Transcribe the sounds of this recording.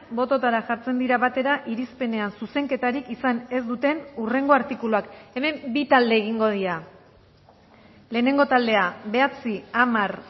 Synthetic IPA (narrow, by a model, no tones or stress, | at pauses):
bo̞t̪o̞t̪aɾaʝaɾt͡se̞nd̪iɾaβat̪e̞ɾaʔiɾispe̞ne̞ansuse̞ŋke̞t̪aɾikisane̞zd̪ut̪e̞nure̞ŋɡo̞aɾt̪ikuluake̞me̞mbit̪ald̪e̞ːɣ̞iŋɡo̞ðiɾa | le̞ːne̞ŋɡo̞t̪ald̪e̞abe̞at͡siamaɾ